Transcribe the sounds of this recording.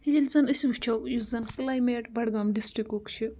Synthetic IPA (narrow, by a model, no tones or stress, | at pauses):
hid͡ʒilʲzɐnisiut͡ʃʰɐwjuszɐnklajmeʈbɐɽɡɐmɖisʈɾikukt͡ʃʰi